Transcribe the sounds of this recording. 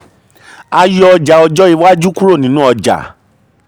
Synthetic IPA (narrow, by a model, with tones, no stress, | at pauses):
a˧jɔ˦ɔ˧d͡ʒa˨ɔ˧d͡ʒɔ˦i˧wa˦d͡ʒu˦ku˦ɾo˦˨nĩ˨˦nũ˦ɔ˧d͡ʒa̰˨